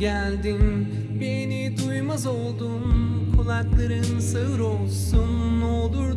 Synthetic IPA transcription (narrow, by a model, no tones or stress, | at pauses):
ælʲd̪in | benid̪ujmazo̞lˠd̪unkʰulˠaklˠaɾɯnsɯɯɾo̞lˠsunolˠd̪uɾ